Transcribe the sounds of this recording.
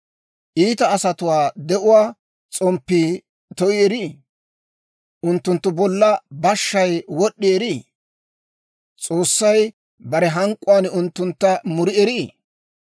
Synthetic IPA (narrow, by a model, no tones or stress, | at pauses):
ʔiːt̪ɐːsɐt̪ʊwaːd̪ɛʔʊwaː | t͡sʼɔmpːiː | t̪ɔʔɪɛɾiː | ʔʊnt̪ːʊnt̪ːʊbɔlːɐbɐʃːɐjwɔɗːɪɛɾiː | t͡sʼo̞ːsːɐj | bɐɾɛɦɐŋkʼːʊwaːnʊnt̪ːʊnt̪ːɐmʊɾɪɛɾɪː